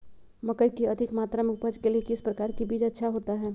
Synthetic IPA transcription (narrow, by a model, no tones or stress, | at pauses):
mɐkəjkiɐd̪ʱɪkmaːt̪ɾamẽʊpəd͡ʒkeliekɪspɾəkaːɾkibiːd͡ʒətːʃʰaɦoːt̪aɦɛː